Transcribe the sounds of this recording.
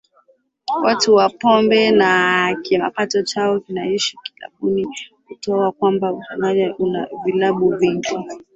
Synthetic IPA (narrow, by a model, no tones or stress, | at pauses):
wʔatuwapɔmbɛnakima̰patɔt͡ʃaɔkinaiʃiki̥la̰ɓunihutɔakwambausamaʄaʔuna̰vilaɓuviŋɡi